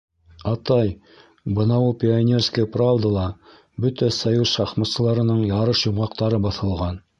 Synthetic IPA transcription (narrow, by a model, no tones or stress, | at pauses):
ɑt̪ɑj | bɤnɑwulˠpʲɪanʲerskəpravd̪əlˠɑ | bɵt̪æsɐjuzʃɑχmɤ̆ssɤ̆lˠɑɾɤ̆nɤɴjɑɾɤʃjŭɴɑqt̪ɑɾɤbɑθɤ̆lˠʁɑn